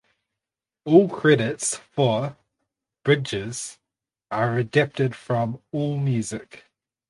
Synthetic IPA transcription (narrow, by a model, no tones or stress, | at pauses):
ɔːlˠkʰɹ̥ɛɾɪtsfə | b̥ɹɪd͡ʒɪz̥ | ʔəɹədæp̚tɪd̥fɹə̃mɔːlˠmjʉːzɪk